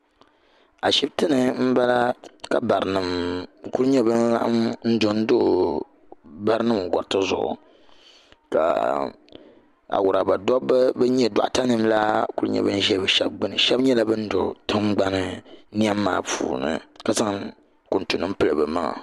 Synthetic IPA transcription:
a˨ʃi˦btɨ˦nɨ˨m̩˦ba˦la˦ka˨ba˨ɾɨ˨nɨ˨mku˦ɾɨ˦ɲɛ˦bɨ˦na˦ʔmn̩˦dʊ˨n̩˦do˦ʔ | ba˦ɾɨ˦nɨ˦m˨ɡɔ˨ɾtɨ˦zʊ̰˨ʔʊ̰˨ | ka̰˨ | a̰˨wʊ˨ɾa˨ba˨dɔ˦bɨ˦bɨ˦ɲɛ˦da̰˨ʔta˦nɨ˨mla˦ku˦ɾɨ˦ɲɛ̰˦bɨ˦n˦ʒɛ˦bɨ˨ʃɛ˦b̚ɡ͡bɨ˦nɨ˨ʃɛ˦bɲɛ˦la˦bɨ˦n̩˦dʊ˨tɨ˦mɡ͡ba˦nɨ˦ni˦a˦mː˦a̰ː˦pṵː˨nɨ̰˨ka˨za˦ŋ | kʊ˨ntu˨nɨ˦m̩˦pɨ˦lɨ˨bɨ˨ma˦ŋa̰˨

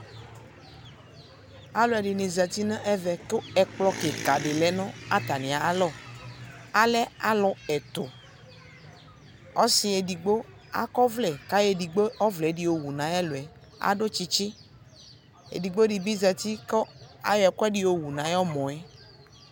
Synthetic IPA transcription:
a˦lo˨ɛ˨ɖi˨nĩ˨zɛ˨t̪i˦nã˦ʔɛ˦vɛ˨ko˦ɛ˨k͡plɔ˦ke˨ka˨ɖe˨lɛ˨nɔ̃˦a̰˦t̪a˨nĩ˨a˨a˦lɔ˦˨ | a˨lɛ˦a˦lɔ˨ɛ˨t̪o˨ | ɔ˦si˨˦e˨di˨ɡ͡bo˦ | a̰˦kɔ˦vlɛ˨ka˦je˦di˨ɡ͡bo˦ɔ˦vlɛ˨˦ɖi˨wo˨wu˨nã˨ɛ˦lo˨ɛ˨ | a̰˨ɖo˦t͡ʃi˦t͡ʃe˦ | ḛ˨di˨ɡ͡bo˦ɖi˨bi˦zɛ˨t̪i˦kɔ˦a̰˦jɔ˨˦ɛ˨kɔ˦ɛ˦di˦wo˨wu˨nã˨jɔ˦mɔ̃˨ɛ˦

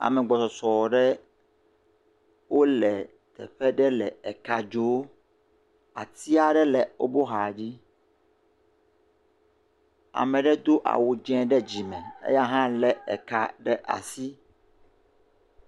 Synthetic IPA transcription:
a̰˨mɛ̃˨ɡ͡bɔ˨sɔ˨sɔ˨ɖɛ˦ | wʔo˦lɛ˨ | t̪ɛ̰˨ɸɛ˦ɖɛ˦lɛ˨ɛ˨ka˨d͡ʒo˦ | a̰˨t̪i˦a˨ɖɛ˦lɛ˨o˦bo˦ɦa˨d͡ʑi˦ | a̰˨mɛ̃˨ɖɛ˦d̪o˦ʔa̰˨wu˨d͡ʒɛ̃˦ɖɛ˦d͡ʑi˨mɛ̃˨ḛ˦ja˦ɦã˦lɛ˦ɛ̰˨ka˨ɖɛ˦ʔa̰˨si˦

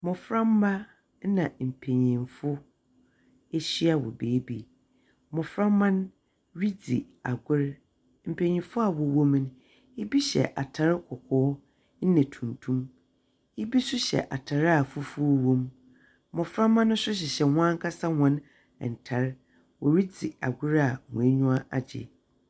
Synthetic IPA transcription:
mɔ̃˨fɾã˦m˦ba˦ | nã˨m̩˨pʰe˨ɲĩ˨nfʊ˦ | e˦ɕi˦a˨wɔ̰˨beː˨˦bi˨ | mɔ̃˨fɾãː˦ã˦n | ɾi˦d͡zi˨ | a˨ɡʊ˦ɾ | m̩˨pʰe˨ɲĩ˨fʊ˦a˨wɔ˨wõ˦m˦n˦ | i˦bi˦ɕɛ̰˨ʔa˨tʰa˨ɾɪ˦kʰɔ˨kʰɔː˦ | n̩˦nɛ̃˨tʰũ˨n˨tʰũ˦m | ji˦bi˦sʊ˦ɕɛ̰˨ʔa˨tʰa˨ɾa˨fʊ˦fu˦o˦wõ˦m | mɔ̃˨fɾã˦mã˦n˦ʊ̃˦sʊ˦ɕ̬ɪ˨ɕɛ˨wʷã˦ŋ˦kʰa˦sa˦wɔ̃˨n | ɛ˨n̩˨tʰa˨ɾ | wɔ˨ɾi˦d͡zi˨a̰˨ɡʷʊ˦ɾa˨mɔ̰̃˨e˦ɲũ˦a˦ʔa˨d͡ʑɪ̰˨

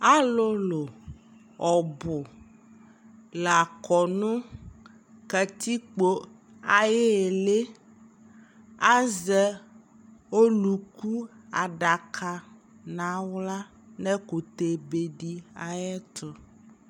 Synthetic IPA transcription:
a˦lo˦lo˨ | ɔ˨bʊ˨ | la˨kɔ˨nũ˦ | kɛ˨t̪i˦k͡po˦ | a˨je˦e˨le˦ | a˦zɛ˦ | o˦lu˨ku˦a˨ɖa˨kʰa˦ | nã˨˦wla˦ | nɛ̃˦ko˨t̪e˨be˨ɖi˦a˨jɛ˦t̪ɔ˦

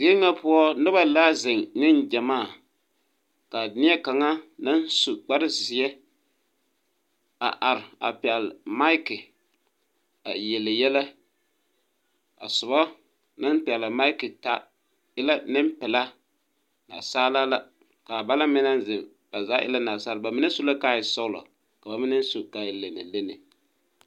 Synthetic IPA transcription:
zi˦ɛ˦ŋa˦pʊ˦ɔ˦nɨ˦βa˦laː˦zɪ˨ŋnɪ˦nd͡ʒɛ˨maː˦˨ | ka˨nɪ˦ɛ˦ka˨ŋa˦nɨ˦n˦su˨k͡pa˦ɾɪ˦zi˨ɛ˦ | a̰˨ʔa˨ɾɪ˨a̰˨pi˨ɛ˨lma˦ɪ˦kɪ˨ | a˨jɛ˨lɨ˨jɛ˦la˦ | a̰˨sʊ˨ba˦ | na˦npɪ˨ɛ˨lɪ˨ma˦ɪ˦kɪ˨ta˦ | ɪ˦la˦nɪ˦mpɪ˨la˦ | na̰˨saː˦la˦la˦ | ka˨ba˦la˦mɪ˦na˦n˦zɪ˨ | b̥a˨za˦ʔɪ̰˦la˦na˨saː˦lba˨mɪ˦n˦su˦la˦ka˦ɪ˨sɔ˦la̰˨ | ka˨ba˨mɪ˦nɨ˦n˦su˨ka˨ɪ˨le˨nɪ̰˨le˦nɪ̰˨

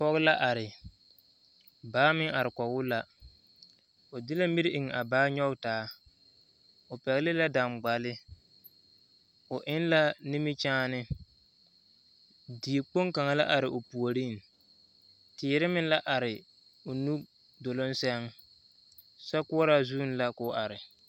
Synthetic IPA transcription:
pɔ˦ɣla˦ʔa˨ɾɪ˨ | baː˨˦mɪ˦ŋa˨ɾɪ˨kɔ˨ɣʊ˦la˦ | ʊ˨dɪ˦la˦mi˦ɾɪ˦ʔɪ˨ŋ˨a˨baː˦ɲɔ˦ɡtaː˦ | ʊ˨pɛ˨ɣɪ˦lɪ˦la˦da˨mɡ͡ba˨lɪ˦ | ʊ˨ʔɪ˦nla˦ni˦mɪ˦t͡ʃaː˦nɪ˦ | di˨k͡po˦ŋka˨ŋa˨la̰˦ʔa˨ɾɪ˨ʔʊ˨pu˨o˨ɾi˦˨ŋ˨ | tɪː˨ɾɪ˦mɪ˦n˦la˦ʔa˨ɾɪ˨ | ʊ˨nu˦ | do˨lo˦n˦sɛ˦ŋ | sa˦kʊ˦ɔ˦ɾa˦zuː˦n˦la˦kʊ˨˦ʔa˨ɾɪ˨

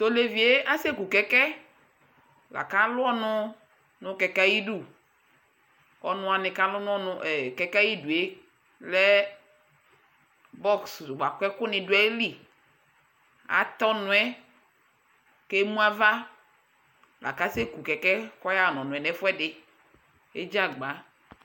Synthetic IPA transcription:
t̪o˦le˨vi˨e˦ʔa˦se˦ku˨kɛ˨kɛ˦ | la̰˨ka˦lʊ˦ɔ˦nʊ̃˦ | nʊ̃˦kɛ˨ka˦ji˦du˦˨ | ɔ˨nʊ̃˨˦a˨nɪ̃˨ka˦lʊ˦n˦ɔ˦nʊ˦ʔɛ˨kɛ˨ka˦ji˦du˨e˦ | lɛ˦ | bɔ˦ksdɡ͡ba˨kʷɛ˦kʊ˦nɪ̃˨du˦ɛ˦e˦li˦ | a̰˨t̪ɔ˦nʊ̃˨ɛ˦ | ke˦mũ˦a˦va˦ | la̰˨ka˦se˦ku˨kɛ˨kɛ˦kɔ˦ja˦˨nɔ̃˨nʊ̃˨ɛ˨nɛ˦fɛ˦dɪ˨ | e˦d͡ʒa˦ɡ͡ba˨˦

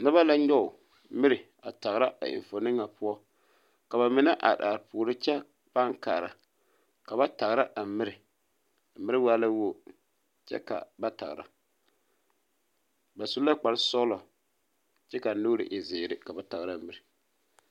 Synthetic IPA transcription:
na˦βa˦la˦ɲɔ˦ʊ˨ | mɪ˦ɾɪ˨ | a˨ta˨ɣɾa˦a̰˨ɪ̰˨ɱ˨fo˨nɨ˦ŋːa˨pʊ˦ɔ˦ | ka˨ba˨mɪ˨na˦ʔa̰˨ɗaː˨ɾpu˨ɾɨ˦t͡ʃɛ˦ | pa˦ŋka̰ː˨ɾa˨ | ka˨ba˦ta˨ɣɾa˦ʔa˨mɪ˦ɾɪ˨ | a˨mɪ˦ɾɪ˦waː˦la˦wo˦˨ | t͡ʃɛ̰˦ka̰˨ba˦ta̰˨ɣɾa̰˨ | ba˨su˦la˦k͡pa˨lsɔ˦lɔ˨ | t͡ʃɛ˦ka˨nu˦ɾɪ̰˨ʔɪ˨zɪː˨ɾɪ˨ka˨ba˦ta˨ɣɾa˦mɪ˦ɾɪ˨

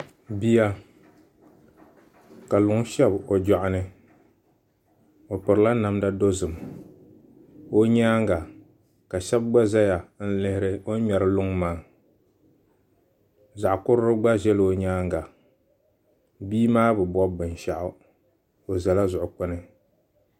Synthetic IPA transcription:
bi˦ja˦ | ka˨lʊ˨ŋ˦ʃɛ˦bo˨d͡ʒa˨ʔʊ˨nɨ˦ | o˨pɨ˨ɾɨ˨la˦na˨mda˦do˦zɨ˨m | o˦ɲaː˦ŋɡa˨ | ka˨ʃɛ˦bɡ͡ba˦za˦ja˨n̩˦lɪ˦hɪ˦ɾɨ˦o˦ɲɛ˨ɾɨ˦lʊ˦ŋmaː˦ | za˨ʔkʊ˦ɾɨ˦ɾɨ˦ɡ͡ba˦ʒɛ˦lo˨ɲaː˦ŋɡa˨ | biː˦maː˦bɨ˨bɔ˦bɨ˨nʃa˨ʔʊ˦ | o˨za˨la˦zʊ˨ʔʊ˨k͡pʊ˦nɨ˦

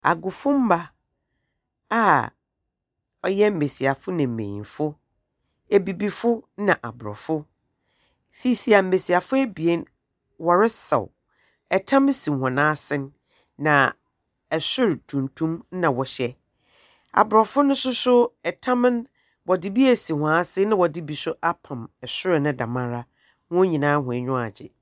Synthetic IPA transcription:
a̰˨ɡʊ˨fʊ˦m̩˦ba˦ | a˨ | ɔ˨jɛ˦m̩˦˨me˨si˨a˨fʊ˦nã˨m̩˨mḛ̃˨ɲḭ̃˨fʊ˦ | e˨bi˨bi˦fʊ˦nã˨ʔa̰˨bʊ˨ɾɔ̰˨fʊ˦ | si˦˨si˨a˨m̩˨me˨si˨a˨fʊ˦æ˦bi˨e˦n | wɔ˨ɾɪ˦sɛ̰˨w | ɛ˨tʰã˦m̩˦sĩ˨hɔ̃˨nãː˦sɪ̃˦nː | ã˨ | ɛ˨sʊ˦ɾɪ˨tʰũ˨ntʰũ˦m˦nã˨wɔ˨ɕɛ˦ | a̰˨bʊ˨ɾɔ˨fʊ˦nʊ̃˦sʊ˦sʊ˦ɛ˨tʰã˦m˦n | wɔ˨dɪ˦bi˦æ˨si˨hɔ̃˨a˦sɪ̃˦nɪ̃˦wɔ˨dɪ˦bi˨sʊ˦ʔa˦pʰã˨mɛ˨sʊ˦ɾɪ˨nɪ̃˦dã̰˨mã˦ɾa˦ | wɔ̃˦ɲĩ˨nãː˦hʊ̃˨ɛ˨ɲᶣʊ̃˦a̰˨d͡ʑɪ̰˨

